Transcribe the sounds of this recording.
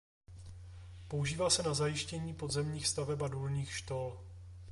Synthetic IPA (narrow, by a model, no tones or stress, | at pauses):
pouʒiːvaːsɛnazajɪʃcɛɲiːpodzɛmɲiːxst̪avɛpadulɲiːxʃt̪ol